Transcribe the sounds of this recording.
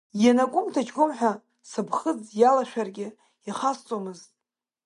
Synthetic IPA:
janakʷʼʊmtʰat͡ʃɡʷʊmħʷᶣa | sɨbχəd͡zjalaʃᶣarɡʲɪ | jaχast͡sʼomɨztʼ

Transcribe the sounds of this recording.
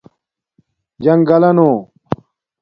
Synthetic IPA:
d͡ʑɐŋɡɐlɐnoː

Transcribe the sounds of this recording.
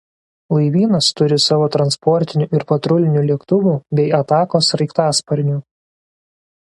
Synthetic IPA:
lˠɐɪʋʲiːnɐst̪ʊɾʲɪsɑːʋoːt̪ɾɐnspɔɾʲt̪ʲɪnʲuːʔɪɾpɐt̪ɾʊlʲɪnʲuːlʲɛkt̪ʊʋuːbʲɛɪɐt̪ɑːkoːsɾɐɪkt̪ɑːspɐɾʲnʲuː

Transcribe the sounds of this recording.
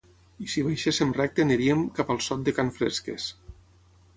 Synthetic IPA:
isiβejʃesemrɛk̚t̪eneɾiemkapalˠsɔt̪̚d̪ekanfɾḛskḛs

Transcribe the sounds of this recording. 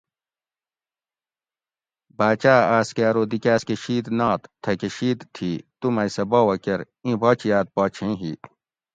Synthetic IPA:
baːt͡ɕaːaːskaːɾoːd̪ikʲaːskeɕiːd̪naːt̪t̪ʰɐkeɕiːd̪t̪ʰiːt̪umɐjsɐboːwɐkɐɾ | ĩbɔːt͡ɕijaːt̪̚paːt͡ɕʰẽɦi

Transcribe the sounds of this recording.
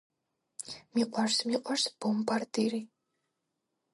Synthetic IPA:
miqʼarsmiqʼwaɾsb̥ɔmbaɾd̪iɾi

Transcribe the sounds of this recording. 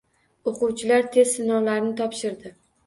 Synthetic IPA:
oqʊwt͡ʃʰɪlaɾt̪ʰe̞zsɪnɒwlaɾnɪt̪ʰɒpʃɪɾd̪ɪ

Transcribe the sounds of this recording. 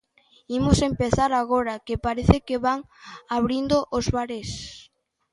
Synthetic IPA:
imosempeθaɾaɣ̞oɾakepaɾeθɪkeβaŋ | aβɾind̪ʊʔozβaɾes

